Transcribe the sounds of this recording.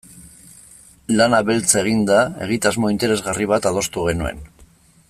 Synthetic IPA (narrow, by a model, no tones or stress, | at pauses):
lanaβe̞lt͡seɣ̞ind̪ae̞̰ɣ̞it̪azmo̞int̪e̞ɾe̞zɣariβ̞at̪að̞o̞st̪uɣ̞e̞nue̞̰n